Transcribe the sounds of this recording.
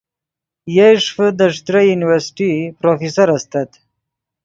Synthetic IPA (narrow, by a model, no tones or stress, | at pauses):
jaʂfəd̪əʂt̪ɾajuniwəɾsʈipɾofisaɾast̪at̪